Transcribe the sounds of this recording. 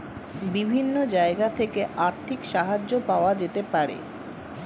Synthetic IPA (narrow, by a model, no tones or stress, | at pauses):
bibʱinːod͡ʑaeɡat̪ʰekeʔaɾt̪ʰikʃaɦad͡ʑːopaoad͡ʑet̪epaɾḛ